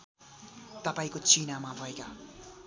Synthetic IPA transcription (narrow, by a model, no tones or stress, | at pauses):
t̪apɐjkot͡ʃiːnamaːvajkɐ